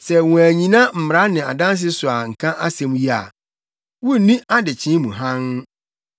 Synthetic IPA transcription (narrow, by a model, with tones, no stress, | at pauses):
sɛ˨wɔ̃˨æ˨ɲĩ˨nã˦m̩˨m˨ɾa˦nɪ̃˨a˨dã˦ns̬ɪ˦sʊ˨a˨ŋ̩˨kʰã˦ʔa˦sɛ̃˨m̃˦ji˦a̰˨ | wʊ˦˨nĩ˦ʔa˦dɪ˨t͡ɕʰɪ̃˦mũ˨ɦã˦n